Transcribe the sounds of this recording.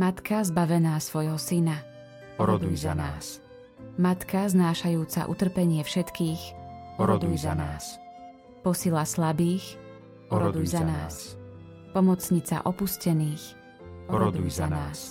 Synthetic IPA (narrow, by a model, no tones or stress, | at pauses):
mat̪kazbaʋɛnaːsʋɔjɦɔsina | ɾɔd̪ujzanaːs | mat̪kaznaːʃajuːt͡sa̰ʔṵt̪r̩pɛɲɪɛfʃɛt̪kiːxɾɔd̪ujzanaːs | pɔsilaslabiːx | ɔɾɔd̪ujzanaːs | pɔmɔt͡sɲit͡sa̰ʔɔpuscɛniːx | ɔɾɔujzanaːs